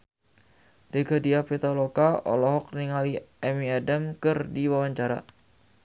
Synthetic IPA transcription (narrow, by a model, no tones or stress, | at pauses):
deɡadiapet̪alokaɔ̰lɔɦɔk̚niŋaliɛmiadamkɨrdiwawaɲt͡ʃaɾa̰